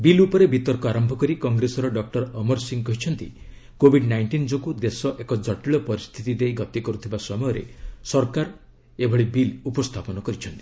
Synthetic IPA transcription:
bilupɔɾebit̪ɔɾkɔaɾɔmbʱɔkɔɾikɔŋɡɾesɔɾɔɖɔk̚ʈɔɾɔmɔɾsiŋkɔɦit͡ʃʰɔnt̪ḭ | kobʱiɖnajɳʈind͡ʒɔkud̪esɔʔekɔd͡ʒɔʈiɭɔpɔɾist̪ʰit̪id̪ejɡɔt̪ikɔɾut̪ʰibasɔmɔjɔɾḛsɔɾkaɾ | ebʱɔɭibilupɔst̪ʰapɔnɔkɔɾit͡ʃʰɔnt̪i̥

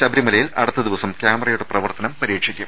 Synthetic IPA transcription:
ɕɐbɐɾimɐlɐjilʔɐ̰ɽɐt̪ːɐd̪iʋɐsɐmkʲjaːmɐrɐjuɽeprɐʋɐrt̪ɐnɐmpɐɾiːkʂikʲːum

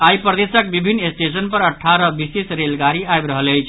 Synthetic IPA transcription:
ajpɾəd̪esək̚bibʱinːesʈesənpəɾəʈʰːaɾʌbisesɾelɡaɾiajbɾəɦələjt͡ʃʰ

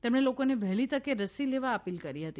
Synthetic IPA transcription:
t̪emɽ̃elokoneʋɛɦlit̪əkeɾəsileʋaəpilkəɾiɦət̪i

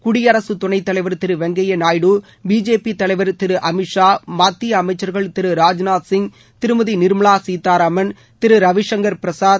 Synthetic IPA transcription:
kʊɽɪjɐɾɐsɯt̪ʊɳɐɪt̪ːɐlɐɪʋɐɾt̪ɪɾɯʋɛŋɡɐjɐnaːjɽɯ | biːd͡ʒeːpit̪ːɐlɐɪʋɐɾt̪ɪɾɯʔɐmɪʈʂaːmaːt̪ːiɐmɐɪt͡ʃːɐɾɣɐɭt̪ɪɾɯɾaːd͡ʒnaːd̪sɪŋɡ | t̪ɪɾɯmɐðinɪɾɯmɐɭaːsiːt̪ːaːɾɐmɐn | t̪ɪɾɯɾɐʋɪʂɐŋɡɐɾpɪɾɐsaː

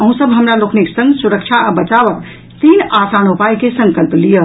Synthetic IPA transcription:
əɦũsəbʱɦəmɾalokʰniksə̃ŋɡsuɾəkt͡ʃʰaəbət͡ʃaʋək̚ | t̪inasanupajkesəŋkəlplijə

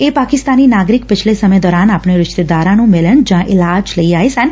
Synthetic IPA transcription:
epakɪst̪aninaːɡɾɪk̚pɪt͡ʃʰlesəməjd̪ɔːɾaːnaːpɳ̃eɾɪʃt̪ed̪aːɾãnũmɪlənd͡ʒãʔɪlad͡ʒləiaːesãn

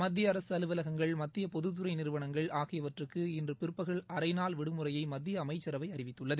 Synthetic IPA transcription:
mɐd̪ːɪjɐːɾɐsɯɐlɯʋɐlɐɣɐŋɡɐɭmɐt̪ːɪjɐpɔðɯðɯɾɐɪnɪɾɯʋɐɳɐŋɡɐɭaːɣɪjɐʋɐʈrɯkːɯɪndrɯpɪɾɯpːɐɣɐɭɐɾɐɪnaːlʋɪɽɯmɯrɐjɐɪmɐd̪ːɪjɐːmɐɪt͡ʃːɐɾɐʋɐɪɐɾɪʋɪt̪ːɯɭːɐðɯ

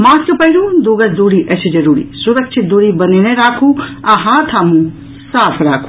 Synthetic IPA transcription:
maːskəpɐɦiɾũd̪oɡɐsd̪uːɽiʔɐsid͡ʒɐɾuːɾḭsuɾək̚t͡ʃʰit̪̚d̪uːɽibɐneneɾaːkʰuaɦãt̪ʰaːmũ | saːpʰɾaːkʰu̥

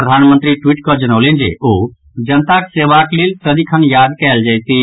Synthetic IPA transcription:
ɾəd̪ʱaːnmə̃nt̪ɾiʈwiːʈkod͡ʒɐñoːlẽnd͡ʒḛoː | d͡ʒɐnt̪akseːʋakliltɐd̪ikʰənjaːd̪kɛːld͡ʒɐɪt̪i

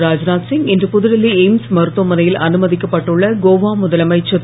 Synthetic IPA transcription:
ɾaːd͡ʒnaːsɪŋɡɛndrɯpʊðɯɾɐlːieɪmsmɐɾɯt̪ːomɐnɐjɪlɐnɯmɐðɪkːɐpːɐʈːɯɭːɐɡoːʋaːmʊðɐlɐmɐɪt͡ʃːɐt̪

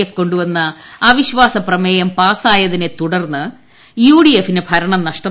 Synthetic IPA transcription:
efko̞ɳɖuʋɐnːɐɐʋiɕʋaːsɐprɐmeːjɐmpaːsaːjɐðinet̪uɽɐrnːɨ | juːɽijefinebʱɐɾɐɳɐmnɐʂʈɐ

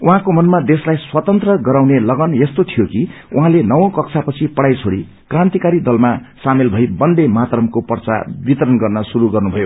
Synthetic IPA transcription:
uɦãkomʌnmad̪eslajswʌt̪ʌnt̪rʌɡʌɾawnelʌɡʌnjest̪ot̪ʰijokiuɦãlenʌwʌ̃kʌksʰapʌt͡sʰipʌɽajt͡sʰoɽi | krãnt̪ikaɾid̪ʌlmasamelbʱʌjbʌnd̪emat̪rʌmkopʌrt͡sa̰bit̪ʌɾʌnɡʌrnʌsuɾuɡʌrnubʱʌjo

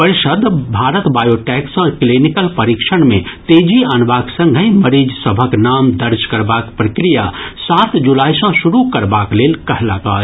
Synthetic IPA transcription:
pəɾɪʃəd̪ʱbʱaːɾət̪baːjoːʈɛːksə̃klinɪkəlpɐɾikʃəɽ̃mẽt̪eːd͡ʒiənʋaːksɐ̃ŋɡʱəiməɾiːd͡ʒsəbʱəknaːmd̪əɾd͡ʒkɐɾbaːkpɾəkɾijasaːt̪d͡ʒulaːisə̃ʃʊɾukɐɾbaːkleːlkɐɦlaɡa̰ː

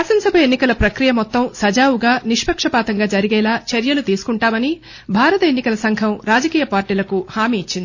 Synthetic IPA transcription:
asɐnsɐbʱɐenːikɐlɐpɾɐkɾijɐmɔt̪ːɐmsɐd͡ʒaːwuɡaːniʂpɐkʂɐpaːt̪ɐŋɡaːd͡ʒɐɾiɡɛːlaːt͡ʃɐɾjɐlut̪iːsu̥kuɳʈaːmɐni | bʱaːɾɐt̪ɐenːikɐlɐsɐŋɡʰʱɐmɾaːd͡ʒɐkiːjɐpaːɾʈiːlɐkuhaːmiːt͡ʃːind̪i

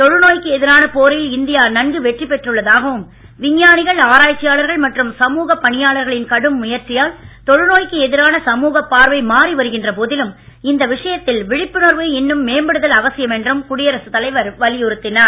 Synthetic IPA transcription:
t̪ɔɻɯnoːjkɯɛðɪɾaːnɐpoːɾɪlɪnd̪ɪjaːnɐnɡɯʋɛʈripɛʈrɯɭːɐðaːɣɐʋɯm | ʋɪɲːaːnɪɣɐɭaːɾaːt͡ʃːɪjaːɭɐɾɣɐɭmɐʈrɯmsɐmuːɣɐpːɐɳɪjaːɭɐɾɣɐɭɪnkɐɽɯmːʊjɐɾt͡ʃːɪjaːlt̪ɔɻɯnoːjkɯɛðɪɾaːnɐsɐmuːɣɐpːaːɾʋɐɪmaːɾiʋɐɾɯɣɪndrɐpoːðɪlɯm | ɪnd̪ɐʋɪʂɐjɐt̪ːɪlʋɪɻɪpːɯnoːɾʋɯɛnːɯmːeːmbɐɽɯðɐlɐʋɐsɪjɐmɛndrɯmkʊɽɪjɐɾɐsɯt̪ɐlɐɪʋɐɾʋɐlɪjɔɾɯt̪ːɪnɐ

